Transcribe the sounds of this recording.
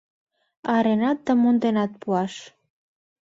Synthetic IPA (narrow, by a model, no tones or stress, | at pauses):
ɑɾenɑt̪̚d̪əmund̪enɑt̪̚puɑʃ